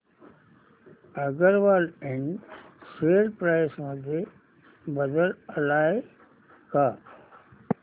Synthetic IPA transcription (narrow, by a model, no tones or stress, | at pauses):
əɡəɾʋaːlẽɳɖseːɾpɾaːɪsmə̃d̪ʱe | bəd̪ələlaːe | kaː